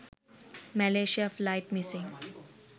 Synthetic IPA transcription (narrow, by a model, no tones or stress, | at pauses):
mæleːʃiaflaɪʈmisĩŋ